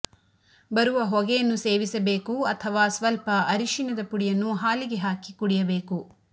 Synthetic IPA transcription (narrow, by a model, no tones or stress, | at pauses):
bɐɾuʋɐɦɔɡɛjɐnːuseːʋisɐbe̞ːkuɐt̪ʰɐʋaːsʋɐlpɐʔɐɾiʃinɐd̪ɐpuɽijɐnːuɦaːliɡeɦaːkikuɽijɐbe̞ːku